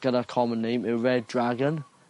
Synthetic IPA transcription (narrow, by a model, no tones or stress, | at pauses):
ɡ̥ənakʰɔmə̃nːejmɪwɹɛd̚dɹaɡən